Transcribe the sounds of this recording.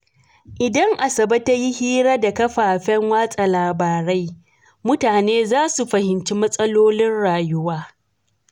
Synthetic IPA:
ʔɪ˨dɐ˦ŋʔa˨sɐ˨bɐ˦ta˦ji˦hiː˦ɾa˦da˨kɐ˦ɸaː˨ɸɛ˦ŋwaː˦sʼa˨laː˨baː˨ɾa˦j | mʊ˦taː˨neː˦zaː˦su˨ɸɐ˨hɪ˨nt͡ʃi˦mɐ˦sʼɐ˦loː˦lɪ˦nɽaː˨jʊ˦waː˦

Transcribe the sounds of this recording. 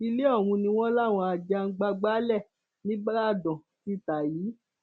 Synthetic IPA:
i˧le˦ɔ˦˨w̃ũ˧nĩ˧w̃ɔ̃˦la˦˨w̃ɔ̃˧a˧d͡ʒa˧ŋ̩˦ɡ͡ba˧ɡ͡ba˦lɛ˦˨ | nĩ˦ba˦a˦˨dɔ̃˨ | ti˦˨ta˨jiː˨˦

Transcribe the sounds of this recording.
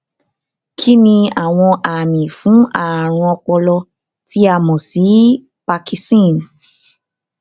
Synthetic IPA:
kʰi˦nĩ˧a˨w̃ɔ̃˧ʔa˨mĩ˨fũ˨˦a˦˨ɾ̃ɔ̃˧ɔ˧k͡pɔ˧lɔ˧ | ti˨˦a˦˨mɔ̃˨si˨˦ | pa˧ki˧stĩ˦˨n

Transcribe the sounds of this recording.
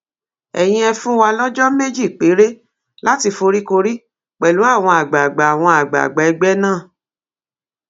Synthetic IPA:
ɛ̰˨j̃ĩ˧ɛ˧fũ˦wa˧lɔ˦d͡ʒɔ˦me˦d͡ʒi˦˨k͡pe˨˦ɾe˦ | la˦ti˧fo˧ɾi˦ko˧ɾi˦ | k͡pɛ˨lu˨˦a˦˨w̃ɔ̃˧a˨ɡ͡ba˨ɡ͡ba˨a˨w̃ɔ̃˧a˨ɡ͡ba̰˨ɡ͡ba˨ɛ˧ɡ͡bɛ˦nãː˦˨

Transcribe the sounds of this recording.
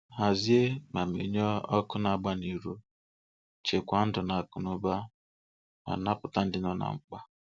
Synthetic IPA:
ɦa˨zi˦e˦ma˨mḛ˨ɲɔ˦ɔ˦kʊ˦na˨ɡ͡ba˦ni˨ɾu˦ | t͡ʃe˨kʷa˨˦n̩˦dʊ˨na˨kʊ˨nʊ˦ba˦ | ma̰˨na˦pʊ˨ta˦n̩˦dɪ˦nɔ˦na̰˨ŋ͡m̩˨k͡pa˦

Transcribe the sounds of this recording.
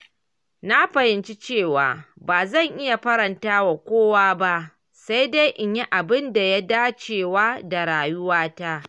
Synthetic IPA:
na˦ɸɐ˨hɪ˨˦nt͡ʃi˦t͡ʃeː˦˨waː˨baː˨zɐ˦˨ŋʔɪ˦ja˨ɸɐ˦ɾɐ˨ntaː˦wa˨kʷoː˦waː˦ba˦ʔ | sa˦jda˦jʔɪ˨ɲji˦ʔa˨bɪ˦nda˨ja˦daː˦t͡ʃeː˨waː˦da˨ɽaː˨jʊ˦waː˦ta˦ʔ

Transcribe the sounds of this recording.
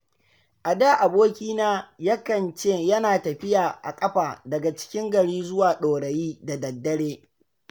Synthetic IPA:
ʔa˨daː˦˨ʔa˨boː˦kʲiː˦naː˦jɐ˦kɐ˨nt͡ʃeː˦˨jɐ˦naː˨tɐ˨ɸɪ˦jaː˨ʔa̰˨kʼɐ˦ɸaː˨dɐ˨ɡa˨t͡ʃɪ̥˦kʲɪ˦ŋɡɐ˨ɽiː˦zʊ˦waː˨ɗoː˨ɽɐ˨jiː˦da˨dɐ˨dːɐ˦ɽeː˦

